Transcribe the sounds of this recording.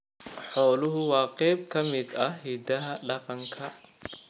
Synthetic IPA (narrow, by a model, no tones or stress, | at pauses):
ħɔːlʊɦʊwaːqɛːb̚kɐmɪd̪ɐɦid̪ɐɦɐɗɐqɐŋkʰɐ